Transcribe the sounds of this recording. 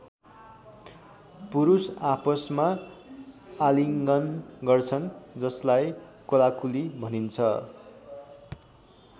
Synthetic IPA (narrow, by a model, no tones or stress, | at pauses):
puɾusapʌsma | aliŋɡʌnɡʌrt͡sʰʌnd͡zʌslajkolakulibʱʌnint͡sʰʌ